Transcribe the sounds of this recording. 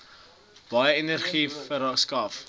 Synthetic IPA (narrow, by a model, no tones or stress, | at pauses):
b̥ɐjəenərχifəɾskɐf